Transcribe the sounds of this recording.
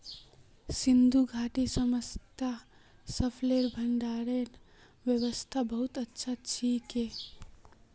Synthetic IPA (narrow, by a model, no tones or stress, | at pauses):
sind̪ʱuɡʱaʈisəməst̪ʰasəpʰleɾbʱəɳɖaːɾeɾ | ʋjəwəst̪ʰabəɦut̪ətːʃʰat͡ʃʰike